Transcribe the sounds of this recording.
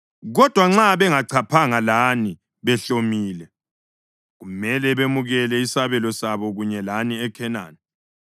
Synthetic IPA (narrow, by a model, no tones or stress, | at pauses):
ɣɔd̥ʱwaŋ͡ǁaβɛŋaǀʰapʰaŋalani | βɛɬomiːlɛ | ɣumɛlɛβemuɣɛlɛisaβɛlɔsaβɔɣuɲɛlaniɛkʰɛna̰ːnɛ